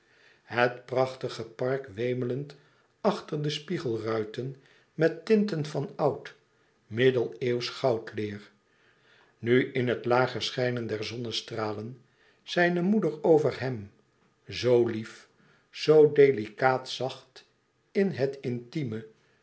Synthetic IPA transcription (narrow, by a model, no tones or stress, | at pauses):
hətprɑχtəχəpɑɹkʋejmələnt | ɑχtəɹdəspiχəlˠrœɥtən | mɛtːɪntənfɑnɑwt | mɪdəlˠewsχɑwtlɪːr | nyʔɪnɦətlaːχəɹsχɛjnəndɛɹzɔnəstraːlən | z̥ɛjnəmudəɹowvəɹɦɛm | zowlif | z̥owdejlikaːtsɑχt | ɪnɦətɪntimə